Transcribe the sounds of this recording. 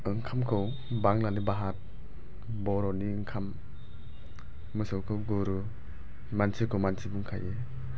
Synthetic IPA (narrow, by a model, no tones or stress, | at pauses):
ɯŋkʰamkʰɯw | baŋlanibaɦat̚ | bɔɾɔniɯŋkʰam | ɯsɯwkʰɯwɡuɾu | mansʰikʰɯwmansʰibuŋkʰa̰je